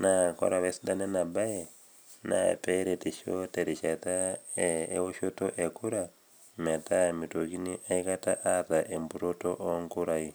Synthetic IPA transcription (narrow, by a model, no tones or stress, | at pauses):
nakɔ̰ɾaβesidanenabaje | na̰pɛɾetiʃoteɾiʃata | ewoʃotoʔekuɾa | mɛtamitokiniʔaikataʔataʔembuɾotoʔŋkuɾai